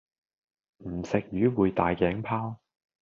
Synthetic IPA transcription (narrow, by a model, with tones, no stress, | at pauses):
m̩˨˩sɪ˨k̚jyː˨˥wuː˨˧jt̪aː˨jkɛː˨˥ŋpʰaː˥w